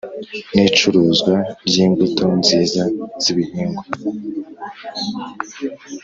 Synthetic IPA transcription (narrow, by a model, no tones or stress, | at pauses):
nit͡ʃuɾuːzɡwabjiːŋɡutonziːzaz̥iβihiːŋɡo